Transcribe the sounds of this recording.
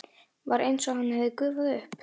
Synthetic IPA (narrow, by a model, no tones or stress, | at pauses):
vaɾʔejnsɔɣhanːɪhɛvðɪkʏːvaðɪʏhp